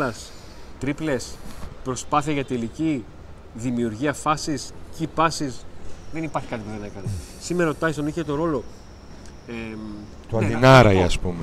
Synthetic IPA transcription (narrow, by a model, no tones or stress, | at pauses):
ɐs | t̪ɾiple̞spɾo̞spɐθiɐʝɐt̪elici | ðimiuɾʝiɐfɐsiscipɐsisðe̞nipɐɾçikɐt̪iboɾiɐnɐekɐne | simeɾɐot̪ɐist̪oniçet̪o̞ɾo̞lo̞ | e | t̪oɐðinɐɾɐiɐspume